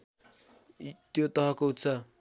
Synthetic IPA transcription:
t̪jot̪ʌɦʌkout̪sʰʌ

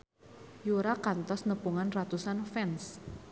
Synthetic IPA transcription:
juɾakant̪ɔsnəpuŋanrat̪usanfɛns

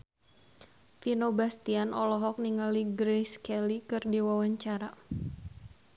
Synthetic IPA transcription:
finobast̪ianʔɔlɔɦɔk̚niŋaliɡɾeskɛlikɨrdiwawaɲt͡ʃaɾa

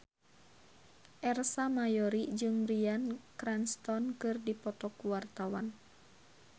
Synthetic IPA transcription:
ʔɛrsamajɔɾid͡ʒɨŋbɾiankɾɛnst̪ɔnkɨrdipɔt̪ɔkuwart̪awan

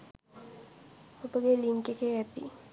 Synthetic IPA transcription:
obəɡeliŋkekeɛt̪ḭ

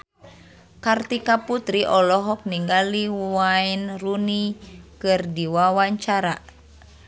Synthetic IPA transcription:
kart̪ikaput̪ɾiʔɔlɔɦɔk̚niŋɡaliwainrunikɨrdiwawaɲt͡ʃaɾa

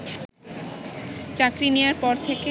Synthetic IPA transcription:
t͡ɕakɾinewaɾpɔɾt̪ʰeke

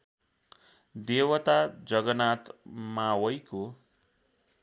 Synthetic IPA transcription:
d̪ewʌt̪ad͡zʌɡʌnat̪mawʌjko

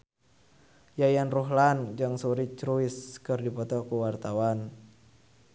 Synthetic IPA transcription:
jajanruɦland͡ʒaŋsuɾit͡ʃɾuɪskərdipɔt̪ɔkuwart̪awan

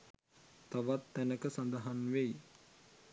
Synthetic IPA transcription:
t̪aʋat̪ːænəkəsand̪əɦanʋej

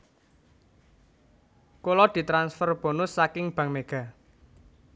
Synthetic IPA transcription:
kolɔd̪̥i̤t̪ɾansfərb̥o̤nʊsːakɪŋb̥ä̤ŋmeɡ̥a̤

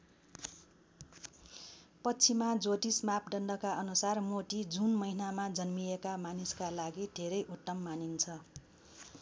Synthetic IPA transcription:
pʌt͡sʰimad͡zoʈismapɖʌnɖʌkaʔʌnusarmoʈid͡zunmʌinamad͡zʌnmijekamaniskalaɡid̪ʱeɾʌjʔut̪ːʌmːanint͡sʰʌ

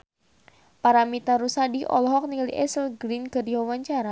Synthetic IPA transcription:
paɾamit̪aɾusadiʔɔ̰lɔɦɔk̚niŋaliʔɛsəlɡɾinkərdiwawaɲt͡ʃaɾa

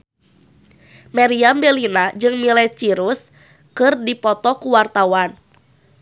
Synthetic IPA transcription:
mɛɾiambɛlinad͡ʒɨŋmilɛt͡ʃiɾus | kɨrdipɔt̪ɔkuwart̪awan

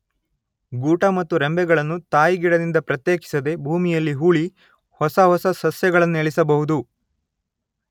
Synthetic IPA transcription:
ɡuːʈɐmɐt̪ːuɾembɛɡɐɭɐnːut̪aːjiɡiɽɐd̪ind̪ɐpɾɐt̪jeːki̥sɐd̪e̞bʱuːmijɐlːiɦuːɭi | hɔsɐɦɔsɐsɐsjɐɡɐɭɐnːueɭisɐbɐɦud̪u

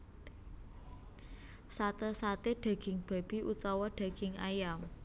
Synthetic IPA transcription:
sat̪əsat̪eɖ̥ä̤ɡ̥ɪŋb̥a̤b̥i̤ʔut͡ʃɔwɔɖ̥ä̤ɡ̥ɪŋa̰jam

